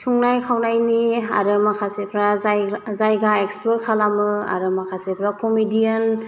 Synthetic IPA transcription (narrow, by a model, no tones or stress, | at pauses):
tʰuŋnajkʰawnajnia̰ɾɯmakʰasepʰɾazajɡaekspoɾkʰalamɯa̰ɾɯmakʰasepʰɾakomidijan